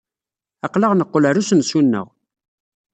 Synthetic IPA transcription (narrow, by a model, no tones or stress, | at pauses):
ɑqləʁnəqːoləɾusənsunːə̰ʁ